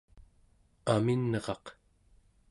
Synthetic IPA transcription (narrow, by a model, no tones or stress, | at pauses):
aminːʌʁɑq